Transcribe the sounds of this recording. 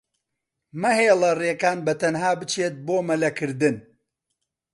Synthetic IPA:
mɐheːlˠɐrekaːnbɐt̪ʰɐnɦaːbɨt͡ʃʰeːt̪̚boːmɐlɐkʰɨɾd̪ɨn

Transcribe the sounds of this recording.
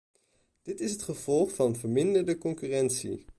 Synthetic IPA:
d̥ɪtɪsɦətχəv̥ɔlˠχfɑnvəɹmɪndəɹdəkɔŋkyːrɛntsḭ

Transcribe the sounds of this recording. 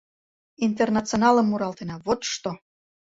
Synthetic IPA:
int̪ernɑt͡sonɑləmːuɾɑlt̪enɑβot̪ʃt̪o

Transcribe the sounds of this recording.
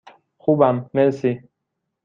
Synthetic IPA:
xubamːesi

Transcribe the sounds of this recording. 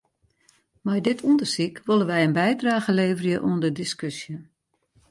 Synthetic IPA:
majdɪtʰundərsikʋolˠəʋɛjənbɛjdraːɣəleːvərjəʔuəndədiskøsjə

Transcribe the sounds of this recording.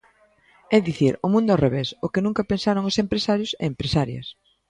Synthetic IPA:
ɛðiθiɾʊmũnd̪ʊoreβesʊkenũŋkɐpensaɾoŋosempɾesaɾjʊsɛempɾesaɾjɐ̰s

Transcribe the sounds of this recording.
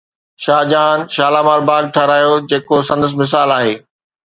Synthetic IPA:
ʃaːd͡ʑaːnʃaːlaːmaːɾbaːɡ̚ʈʰɐɾaːijod͡ʑeːkosɐ̃nd̪əs̬mɪs̬aːlaːɦeː

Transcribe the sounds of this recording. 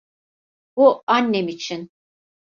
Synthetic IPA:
b̥uanːemit͡ʃʰin

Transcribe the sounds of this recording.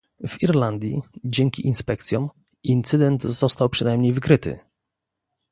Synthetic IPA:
v̥iɾland̪ʲjḭd͡ʑɛŋkʲiʔinspɛk̚t̪sʲjɔ̃m | int̪sɘd̪ɛnt̪zɔst̪awpʂɘnajmɲejvɘkɾɘt̪ɘ̰

